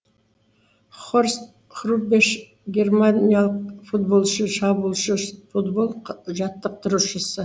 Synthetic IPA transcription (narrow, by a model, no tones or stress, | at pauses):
χorst̪ | χrubeʃ | ɡʲe̞rmanʲijalˠəq̚fut̪̚bo̞lˠʃəʃɑbuːlˠʃəfud̪bo̞lˠʒɑt̪ːəq̚t̪ʰʊɾuʃəsə